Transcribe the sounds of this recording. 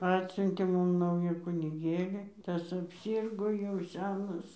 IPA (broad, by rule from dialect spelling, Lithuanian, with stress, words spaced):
ˈɑːtʲsʲʊnʲtʲeː ˈmʊm ˈnɐʊjuː kʊnʲɪˈɡʲeːlʲɪ ˈtɐs ɐpʲˈsʲɪrɡoː jɛʊ ˈsʲæːnɐs